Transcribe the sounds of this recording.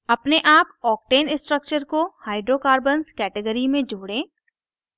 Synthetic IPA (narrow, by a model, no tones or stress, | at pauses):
ɐpneʔaːpɔːk̚ʈeːnɪsʈɾək̚t͡ʃəɾkohaːɪɖɾokaːɾbənskɛːʈəɡəɾimẽd͡ʒoːɽẽː